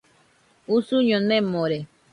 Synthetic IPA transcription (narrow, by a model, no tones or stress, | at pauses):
usuɲõnẽmõɾe